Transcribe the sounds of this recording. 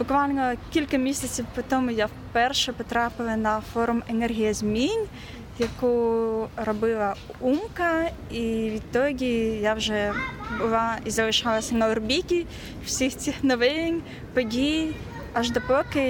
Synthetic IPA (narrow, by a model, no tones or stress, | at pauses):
bʊkʋalʲnɔkʲilʲkɐmʲisʲɐt͡sʲiwpɔt̪ɔmʊjawpɛrʃɛpɔt̪ɾapɪlˠɐnɐfɔɾʊmenɛrɦʲijɐzʲmʲinʲ | jɐkurɔbɪlˠɐumkɐiʋʲit̪ːɔɡʲijawʒɛbʊlˠaizɐlˠɪʃɑlˠɐsʲɐnɐɔrbʲikʲi | w̥sʲixt͡sʲixnɔʋɪnʲ | pɔdʲij | ɐʒd̪ɔpɔkɪ